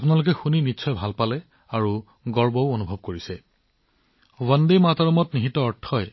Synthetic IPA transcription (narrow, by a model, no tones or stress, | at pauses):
apunalʊk̬ɛxuninitːsʰɔjbʱalpalɛ | aɹu | ɡɔɹbɔʊonubʱɔb̚koɹisɛ | wandejmataɹɔmɔtniɦitɔɔtʰːɔj